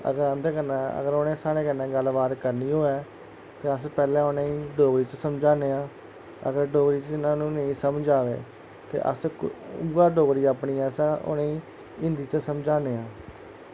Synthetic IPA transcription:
ə̰ɡəɾãːnd̪eːkənaə̰ɡəɾonẽːsaːɽeːkənːɛ̃ːɡəlːbaːd̪kəɾniːɦoːɛː | t̪eːəspɛːlɛ̃ːʊnẽːĩːɖoːɡɾiːt͡ʃsəmd͡ʒaːneːãː | ə̰ɡəɾɖoːɡɾiːt͡ʃɪnãːnũːnəĩːsəmd͡ʒaːʋḛː | t̪ḛːʔə̰sɡaːɖoːɡɾiːaːpɳiːɛːsʊ̰nẽĩː | ɪ̃nd̪iːt͡ʃəsəmd͡ʒaːneːãː

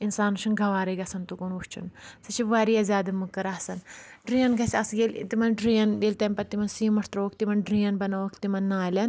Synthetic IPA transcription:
insaːnuʃɐnɡʱɐʋaːɾɐɡɐsɐnt̪ukunut͡ʃʰṵnsɐt͡ʃʰiʋaːɾiːɐzʲaːd̪ɐmukːɐɾaːsɐn | ɖɾiːɐnɡɐsʲɐsɡel̰t̪imɐnɖɾiːɐnɡelʲt̪ɐmʲpɐt̪ːimɐnsiːmɐʈʰt̪ɾoːkʰt̪imɐnɖɾiːɐnbɐnɐʋokʰt̪imɐnːaːlʲɐn

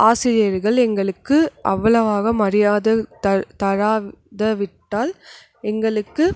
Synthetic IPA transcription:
ʔaːsɪɾɪjɐɾɣɐɭɛŋɡɐɭɯkːɯʔɐʋːɐɭɐʋaːɣɐmɐrɪjaːðɐɐt̪ɐɻaːðɐʋɪʈːaːl | ɛŋɡɐɭɯkːɯ

